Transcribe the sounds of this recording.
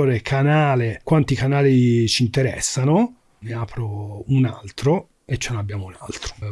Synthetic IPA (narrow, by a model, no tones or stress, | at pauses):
oːɾekʰanaːlekwant̪ikanaːlit͡ʃint̪eɾɛ̰sːano | miaːpʰɾounalt̪ɾo | et͡ʃːenonabːjaːmouna̰lt̪ɾo̥